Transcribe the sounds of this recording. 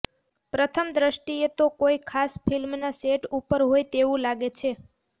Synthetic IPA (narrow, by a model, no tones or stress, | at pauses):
pɾət̪ʰəmd̪ɾəʃʈiet̪okoijkʰasfilmnaseʈupəɾɦojt̪eʋũlaɡet͡ʃʰe